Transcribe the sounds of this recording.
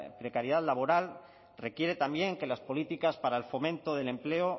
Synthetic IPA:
pɾe̞kaɾjeðaðlaβ̞o̞ɾal | re̞kje̞ɾet̪ambje̞ŋke̞laspo̞lit̪ikaspaɾaelfo̞mẽ̞nt̪oð̞e̞le̞mple̞o

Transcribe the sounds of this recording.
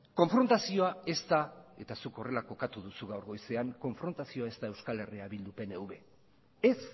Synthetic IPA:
ko̞ɱfɾo̞nt̪asio̞ae̞st̪ae̞t̪asuko̞re̞lako̞kat̪uðusuɣawɾɣo̞jse̞aŋko̞ɱfɾo̞nt̪asio̞ae̞st̪aewskale̞riaβild̪upe̞ne̞wβe̞ | es

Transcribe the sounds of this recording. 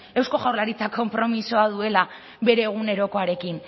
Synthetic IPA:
e̞wsko̞ɣawɾlaɾit͡sakʰo̞mpɾo̞miso̞aðue̞la | βe̞ɾe̞ːɣ̞une̞ɾo̞ko̞aɾe̞kin

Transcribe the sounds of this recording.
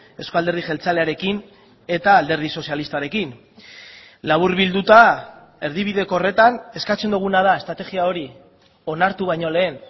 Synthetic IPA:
e̞skoald̪eð̞iʝe̞lt͡sale̞aɾe̞kin | e̞t̪aːld̪e̞ɾð̞iso̞sialist̪aɾe̞kin | laβuɾβild̪ut̪a | e̞ɾðiβ̞iðe̞ko̞ːre̞t̪ane̞skat͡send̪uɣ̞unað̞ae̞st̪ɾat̪e̞ɣiao̞ɾi | o̞naɾt̪uβajɲo̞le̞ːn

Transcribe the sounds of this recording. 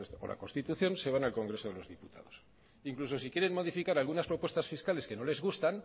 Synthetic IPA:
o̰la̰ko̞nst̪it̪uθjo̞nse̞β̞analko̞ŋɡɾe̞so̞ðelo̞zðiput̪a̰ð̞o̞s | iŋkluso̞sikje̞ɾe̞nmo̞ðifikaɾalɣunaspɾopwe̞st̪asfiskale̞ske̞no̞le̞zɣ̞ust̪an

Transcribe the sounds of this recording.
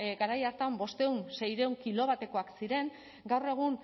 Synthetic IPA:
ɡaɾajaɾt̪ambo̞st̪e̞unse̞jɾe̞uŋkilo̞β̞at̪e̞ko̞aksiɾe̞ŋ | ɡawre̞ɣ̞un

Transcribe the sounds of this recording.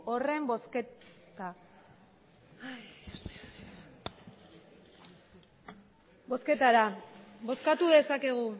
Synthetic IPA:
ore̞mbosket̪a | bo̞ske̞t̪aɾabo̞skat̪uðe̞sake̞ɣ̞u

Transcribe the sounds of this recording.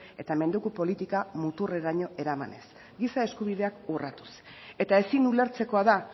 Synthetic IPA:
e̞t̪ame̞nd̪ukupo̞lit̪ikamut̪ureɾaɲo̞e̞ɾama̰ne̞̰s | ɡisae̞skuβiðe̞akurat̪u̥se̞t̪ae̞sinule̞ɾt͡se̞ko̞aða

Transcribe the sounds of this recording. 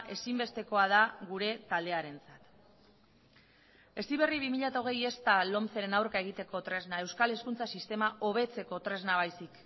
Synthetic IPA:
ʔe̞simbe̞st̪e̞ko̞að̞aɣuɾe̞t̪ald̪e̞aɾe̞nt͡sat̪ | e̞siβe̞riβimiʎat̪aoɣ̞e̞je̞st̪alo̞mt͡seɾe̞nawɾkae̞ɣ̞it̪e̞ko̞t̪ɾe̞znae̞wskale̞skunt͡sasist̪e̞maʔo̞βe̞t͡se̞ko̞t̪ɾe̞znaβ̞ajsik

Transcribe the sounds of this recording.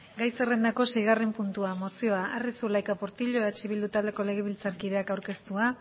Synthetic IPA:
ɡajsere̞nd̪ako̞se̞jɣ̞arempunt̪uamo̞sio̞aarisulajkapo̞ɾt̪iʎo̞eat͡ʃiβild̪ut̪ald̪e̞ko̞le̞ɣ̞eβ̞ilt͡saɾkiðe̞akawɾke̞st̪ua

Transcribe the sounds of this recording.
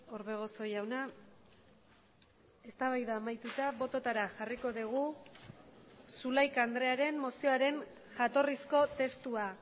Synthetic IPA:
oɾβe̞ɣ̞o̞so̞jawna | e̞st̪aβajðaːmajt̪ut̪aβo̞t̪o̞t̪aɾaʝariko̞ðiɣ̞u | sulajkand̪ɾe̞aɾe̞mːo̞sio̞aɾe̞n | ʝat̪o̞risko̞t̪e̞st̪ua

